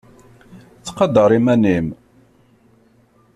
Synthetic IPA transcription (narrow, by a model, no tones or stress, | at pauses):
t͡sːqɑd̪əɾˤimænim